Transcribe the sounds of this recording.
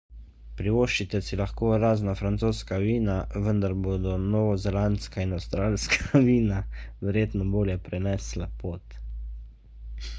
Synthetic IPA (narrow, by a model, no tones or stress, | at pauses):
pɾiʋoːʃt͡ʃit̪ɛsilaxkoːɾaːznafɾant̪soːskaʋiːnaʋənd̪aɾboːd̪ɔnɔʋɔzɛlanskainawst̪ɾaːlskʰaʋiːnaʋɛɾjeːt̪nɔboːljɛpɾɛnɛslapoːt̪